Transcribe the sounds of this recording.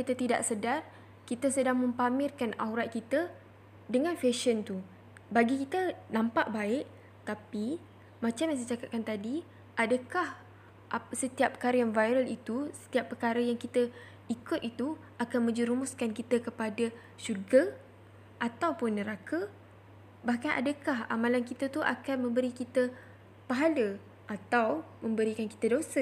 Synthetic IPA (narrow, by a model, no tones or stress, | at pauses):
kit̪ət̪ida̰ʔsədar | kit̪əsədaŋmə̃mpamɪrkana̰wɾat̪̚kit̪ə | dəŋãnfeʃənt̪u | baɡikit̪ənãmpa̰ʔbaɪʔ | t̪api | mãt͡ʃamjas̬ət͡ʃakat̪̚kant̪adi | ʔadəkah | ʔaəsət̪iapːəkaɾəjaŋvajɾəlit̪usə̥t̪iapːəkaɾəjaŋkit̪ə | ikʊt̪̚it̪uʔakanmə̃ɲd͡ʒəɾumʊskankit̪əkəpadə | ʃurɡa | ʔat̪awpʊnːəɾakʰə | bahkanʔa̰dəkaɦa̰mãlankit̪ət̪uʔa̰kanmə̃mbəɾikit̪ə | paɦalə | ʔat̪aw | mə̃mbəɾikanki̥t̪ədosə